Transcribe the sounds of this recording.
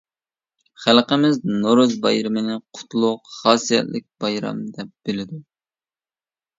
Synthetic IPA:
χælˠqəmɪznoɾuzbɑjɾɨmɨnɪqʰʊ̥t̪ʰlˠʊqχɑːsijɛ̰t̪lɪk̚ʲb̥ɑjɾɑ̰md̪ɛp̚b̥ɪlɪd̪u

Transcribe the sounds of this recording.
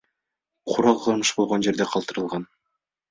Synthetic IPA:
qʰuɾɑqʰɯɾmɯʃbo̞lˠʁond͡ʒe̞ɾd̪eqʰɑlˠt̪ɯɾɯlˠʁɑn

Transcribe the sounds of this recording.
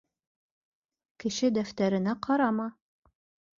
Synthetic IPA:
kɘ̆ʃɘd̪æft̪æɾɘ̆næqʰɑɾɑmɑ

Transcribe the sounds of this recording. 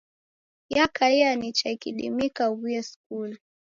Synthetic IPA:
jakaianit͡ʃaikiɗḭmikawiɛsk̚ul

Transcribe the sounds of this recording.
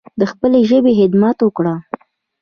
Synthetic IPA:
d̪əxpəleʒəbeɦɪd̪mat̪wəkɽa

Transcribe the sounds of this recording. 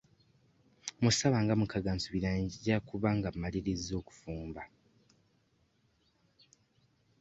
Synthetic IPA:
musaβaːŋɡamukaɡansuβiɾaːɲɟiɟakuβaŋɡamːaliɾizo̞ːku̥fuːmba

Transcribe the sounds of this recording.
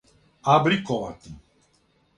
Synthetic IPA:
abɾikɔʋa̰t̪i

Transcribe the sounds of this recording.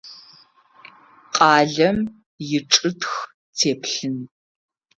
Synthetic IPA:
qʼɑːɮɐm | jɪʈ͡ʂʼɨtx | tʰeːpʰɬɨn

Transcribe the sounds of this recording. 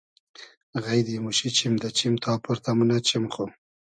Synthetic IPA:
ɣajd̪imuʃit͡ʃimd̪at͡ʃimt̪ʰɑpʊɾt̪amunat͡ʃimxo

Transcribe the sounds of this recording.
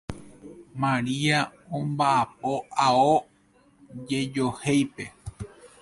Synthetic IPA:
mãɾiaõmbaʔap̚o̞ao | d͡ʒe̞d͡ʒo̞he̞jpe̞

